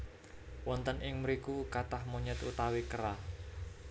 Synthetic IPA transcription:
wɔnt̪ənʔɪŋmɾikukat̪ahmuɲət̪ṵt̪awikəɾa

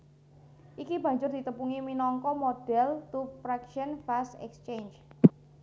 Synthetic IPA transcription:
ʔikibä̤ɲd͡ʒʊrd̪̥i̤t̪əmpuŋiminɔŋkɔmod̥ɛlt̪ufɾɛkʃənfasɛ̰kst͡ʃend͡ʒ

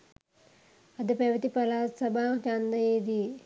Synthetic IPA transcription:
ɐd̪ɨpeʋɐt̪ipɐlaːt̪sɐbʱaːt͡ʃand̪ɐed̪i

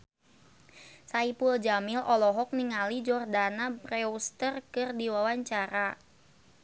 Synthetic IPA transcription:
saipuld͡ʒamɪlʔɔlɔɦɔk̚niŋalid͡ʒɔrdanabrɛust̪ərkɨrdiwawaɲt͡ʃaɾa

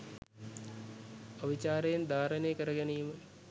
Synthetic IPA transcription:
ɐʋit͡ɕaːɾejend̪ʱaːɾənejkəɾəɡɐnijmə

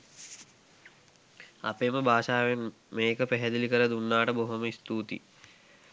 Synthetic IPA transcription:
a̰peːməbaːʃaːʋemː | eːkəpæɦɛd̪ilikəɾəd̪unːaːʈəboɦoməist̪uːt̪ḭ

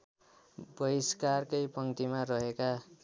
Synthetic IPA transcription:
bʌɾiskarkʌjpʌŋt̪imarʌɦeka

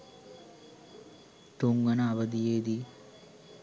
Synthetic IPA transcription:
ʈuŋɡɐnaːʋɐd̪ijeːd̪i

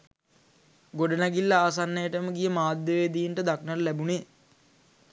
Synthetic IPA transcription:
ɡoɖənæɡilːəaːs̬anːəjəʈəməɡijəmaːd̪jəʋed̪ijinʈəd̪aknəllæbuneː

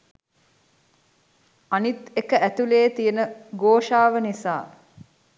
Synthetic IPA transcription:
anit̪ekəʔæt̪uleːt̪ijənəɡoːʃaːʋənisaː

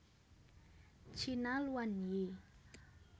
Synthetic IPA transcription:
t͡ʃʰinaluanji

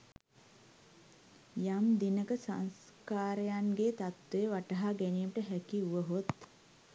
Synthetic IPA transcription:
jamd̪inəkəsa̰ns | kaːɾejanɡet̪at̪ʋeəʋaʈəɦaɡænijəməʈəɦækiuʋəɦot̪

